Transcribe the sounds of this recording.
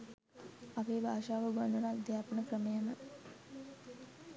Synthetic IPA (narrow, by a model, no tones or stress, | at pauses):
aʋeːbʱaːʃaːʋəɡand̪unad̪jaːpənəkrəmejanə